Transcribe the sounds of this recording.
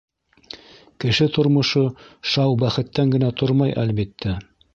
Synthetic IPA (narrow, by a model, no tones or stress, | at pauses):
kɘ̆ʃɘt̪ŏɾmŏʃoʃɑwbæχɘ̆t̪ːæŋɡɘ̆næt̪ʰoɾmɑjʔæ̰lβit̪ːæ